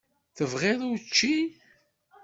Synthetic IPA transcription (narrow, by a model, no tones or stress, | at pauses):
θəvʁeðˤut͡ʃːi